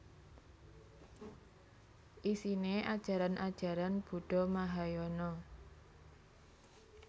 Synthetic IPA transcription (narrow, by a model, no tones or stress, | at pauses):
ʔisineʔad̥ʒ̥a̤ɾanʔad̥ʒ̥a̤ɾanb̥ṳɖ̥ɔ̤maɦajɔnɔ